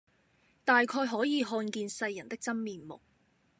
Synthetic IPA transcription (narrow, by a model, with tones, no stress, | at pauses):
t̪aː˨jkʰɔː˧jɦɔː˨˥jiː˨˧ɦɔː˧nkiː˧nsɐ˧jːɐ˨˩nt̪ɪ˥k̚t͡sɐ˥nmiː˨˧nmʊ̰˨k̚